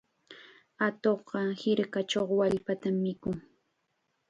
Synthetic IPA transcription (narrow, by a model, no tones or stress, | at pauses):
at̪oχɢɑhɪɾkat͡ʃoχwaʎpat̪amːɪkʊŋ